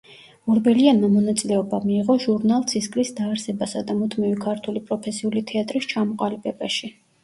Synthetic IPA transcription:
ɔɾbɛlianmamɔnat̪sʼilɛɔbamiːʁɔʒuɾnalˠt̪sʰiskʼlisd̪aːɾsɛbasad̪amut̪ʰmivikʰaɾt̪ʰulipʼɾɔpʰɛsiulit̪ʰɛat̪ʼɾist͡ʃʰamɔqʼalibɛbaʃi

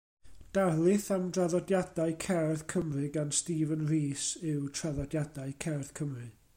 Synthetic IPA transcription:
d̥arlˠɨθamdraðɔdjadaɨkʰɛrðkʰəmrɨɡanstiːvənriːsɪwtʰraðɔdjadaɨkʰɛrθkʰəmrɨ

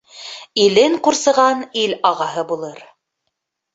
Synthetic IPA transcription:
ilɘŋquɾsɤ̆ʁɑnilɑʁɑɦɤbulˠɤɾ

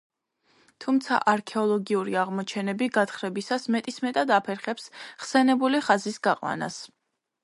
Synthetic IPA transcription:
t̪ʰumt̪sʰa̰ʔaɾkʰɛɔlˠɔɡiuɾiaʁmɔt͡ʃʰɛnɛbiɡat̪χɾɛbisasmɛt̪ʼismɛt̪ʼad̪apʰɛɾχɛpsʁsɛnɛbuliχazisɡaqʼwa̰na̰s

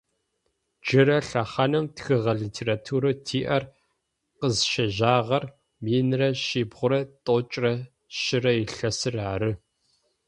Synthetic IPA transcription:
d͡ʒɪɾɐɬɐχɐnɨmtxɨʁɐɮiːtʰeːɾaːtʰuːɾɨtʰiːʔɐr | qəzʃɐʑaːʁɐr | miːnrɐʃiːbʁʷʊɾɐtʼoːt͡ʃʼrɐ | ʃɪrɐjɪɬɐsɨraːɾɨ

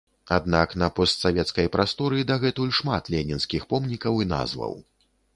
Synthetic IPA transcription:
ad̪naknɐpɔst̪savʲɛt̪skɐjpɾʔast̪ɔɾɨd̪aɣɛt̪ulʲʂmat̪lʲɛnʲinskʲixpɔmnʲikɐwina̰zvɐ̰w

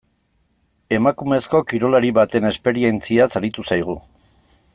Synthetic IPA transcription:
e̞makume̞sko̞kiɾo̞laɾiβat̪e̞ne̞spe̞ɾie̞nt͡siasaɾit̪usajɣ̞u

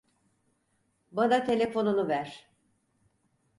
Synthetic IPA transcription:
bad̪at̪ʰe̞lʲe̞fo̞nunuvæɾ̥

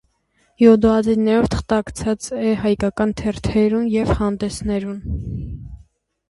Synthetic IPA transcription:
jɔd̪ɔɑd͡ziɾnɛɾɔvt̪ʰə̥χt̪ɑkt͡sʰɑt͡sɛhɑjkɑkɑnt̪ʰɛɾt̪ʰɛɾunjɛvhɑnd̪ɛsnɛɾun

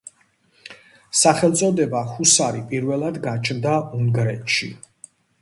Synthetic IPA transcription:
saχɛlˠt̪sʼɔd̪ɛbahusaɾipʼiɾvɛlˠad̪ɡat͡ʃʰnd̪auŋɡɾɛt̪ʃḭ

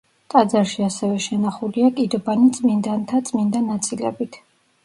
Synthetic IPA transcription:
t̪ʼad̪zaɾʃiasɛvɛʃɛnaχuliakʼid̪ɔbanit̪sʼmind̪ant̪ʰat̪sʼmind̪anat̪sʼilɛ̰bit̪ʰ

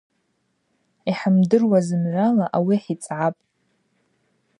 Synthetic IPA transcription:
iħamdɨrwazɨmʕʷalaʔawiħit͡sʼʕapʼ

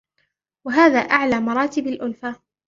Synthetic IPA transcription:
waɦaːðaːʔaʕlaːmɑɾˤɑːt̪ɪbalʔʊlfa

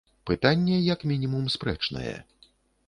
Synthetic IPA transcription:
pɨt̪anʲːɛjɐkmʲinʲimumspɾɛ̰t͡ʂnɐ̰jɛ̰

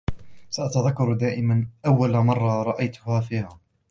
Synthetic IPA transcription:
saʔat̪aðakːɑɾˤd̪aːʔɪmanʔawːalmɑrˤːɑɾˤɑʔajt̪ʊ̥haːfiːhaː

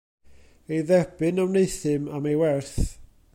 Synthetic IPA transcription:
ejðɛb̥ɨnawnejθɨmamejwɛrθ

